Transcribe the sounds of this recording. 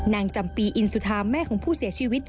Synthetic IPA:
naː˧ŋt͡ɕa˧mpiː˧ʔi˧nsu˧˩t̪ʰaː˧mːɛː˥˩kʰɔː˩˦pʰuː˥˩si˨˩˦t͡ɕʰiː˧wi˦˥t̪̚

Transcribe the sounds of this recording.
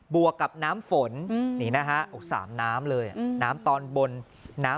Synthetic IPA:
bu˨˩əkːa˨˩p̚naː˦˥mfo˨˩˦nniː˨˩˦na˦˥kʰa˦˥ʔo˨˩sa̰ː˩˦mnaː˦˥mlɤː˧jʔa˨˩naː˦˥mt̪ɔː˧nbo˧nː | aː˦˥

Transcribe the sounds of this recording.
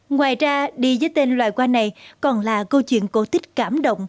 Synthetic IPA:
ŋwaː˨˩jzaː˧ɗi˧zəː˨˦jt̪e˧nlwa̰ː˧˨jkwaː˧na˨˩jkɔ˨˩nlaː˨˩kə˧wt͡ɕwḭ˧˨ənko˧˦t̪ʰï˦˥k̟̚kaː˧˩mɗə̰˧˨wŋ͡m

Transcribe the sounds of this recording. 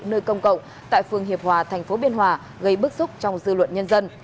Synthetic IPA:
nəː˧jkə˧wŋ͡mkə̰˧˨wŋ͡m | t̪a̰ː˧˨jfɨ˧əŋɦi˨˩əp̚hwaː˨˩t̪ʰɛ˨˩jŋ̟fo˨˦ɓi˧ənɦwaː˨˩ | ɣə˧jɓɨ˦˥k̚sʊ˦˥k͡p̚t͡ɕɔ˧wŋ͡mzɨ̰˧lwə̰˧˨nɲə˧nzə˧n

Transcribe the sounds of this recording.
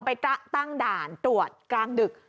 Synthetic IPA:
pa˧jt̪a˦˥t̪a˥˩ŋdaː˨˩nt̪ɾu˨˩ət̪̚klaː˧ndɯ˨˩k̚

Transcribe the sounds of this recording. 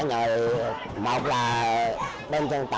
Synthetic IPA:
ɲəː˨˩j | mo˨˩k͡p̚laː˨˩ | ɓe˧nt͡ɕə˧ŋ͡mt̪a

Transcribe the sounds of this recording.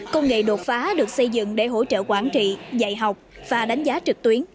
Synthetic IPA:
kə˧wŋ͡mŋḛ˧˨ɗo˨˩t̚faː˨˦ɗɨ˨˩ək̚sə˧jzɨ̰˧˨ŋɗe˧˩ɦo̰˧˥˩t͡ɕə̰ː˧˨kwaː˧˩nt͡ɕḭ˧˨za̰˧˨jɦa˨˩wk͡p̚vaː˨˩ɗa˨˦jŋ̟zaː˨˦t͡ɕɨ˨˩k̚t̪wi˨˦ən

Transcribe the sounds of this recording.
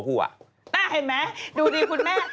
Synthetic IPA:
ɦu˥˩ɐ̰˩ | naː˥˩ɦe˨˧˩nmɛ˦˥duː˧diː˧kʰu˧nmɛː˥˩

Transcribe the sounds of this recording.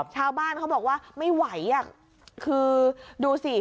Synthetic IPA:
p̚t͡ɕʰaː˧wbaː˥˩nkʰa˦˥wbɔː˨˩k̚waː˥˩ma˥˩jwa˩˦jːa˨˩kʰ | ɯː˧duː˧si˨˩

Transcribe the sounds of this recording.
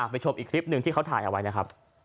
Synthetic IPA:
aː˨˩pa˧jt͡ɕʰo˧mʔiː˨˩kʰli˦˥p̚nɯ˧ŋt̪iː˥˩ka˦˥wt̪ʰaː˨˩jʔa˧wa˦˥jna˦˥kʰɾa˦˥p̚

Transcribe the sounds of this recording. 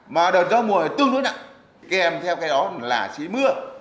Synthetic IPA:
maː˨˩ɗəː˨˩t̚zɔː˧˩mu˨˩ə˨˩t̪ɨ˧əŋnu˧˦jna̰˧˨ | ka˨˦ʔɛ˧mt̪ʰɛ˧wkaː˨˦jɗɔ˨˦laː˨˩t͡ɕi˨˦mɨ˧˦ə

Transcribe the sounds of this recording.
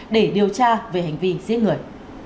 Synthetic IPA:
ɗe˧˩ɗi˨˩əwt͡ɕaː˧ve˨˩hɦa˨˩jŋ̟vi˧zi˧˥əŋɨ˨˩əj

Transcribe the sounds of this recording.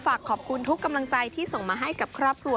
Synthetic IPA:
faː˨˩kʰːɔː˨˩p̚kʰu˧nt̪ʰu˦˥kːa˧mla˧ŋt͡ɕa˧jt̪ʰiː˥˩so˨˩ŋmaː˧ɦa˥˩jka˨˩p̚kʰɾɔː˥˩p̚kʰɾu˧

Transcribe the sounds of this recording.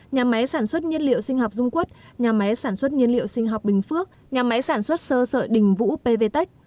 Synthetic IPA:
ɲaː˨˩ma˨˦jsaː˧˩nswə˦˥t̚ɲi˧ənlḭ˧˨əwsï˧ŋɦɔ˨˩wk͡p̚zʊ˧ŋ͡mku˦˥ət̚ɲaː˨˩ma˨˦jsaː˧˩nswə˦˥t̚ɲi˧ənlḭ˧˨ə˨wsï˧ŋ̟ɦɔ˨˩wk͡p̚ɓï˨˩ŋ̟fɨ˦˥ək̚ | ɲaː˨˩ma˨˦jsaː˧˩nswə˦˥t̚səː˧sə̰ː˧˨ɗï˨˩ŋ̟vṵ˧˥pe˧ve˧t̪ə˦˥jk̚

